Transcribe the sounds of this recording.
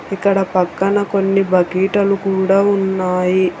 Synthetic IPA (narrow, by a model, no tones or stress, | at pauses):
ikːɐɽɐpɐkːɐnɐko̞nːibɐkiːʈɐlukuːɽaːunːaːji